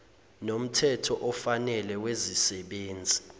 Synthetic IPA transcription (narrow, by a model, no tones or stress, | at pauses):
nom̩tʰɛtʰɔʔɔfanɛlɛwezisɛɓeːnd͡zʱi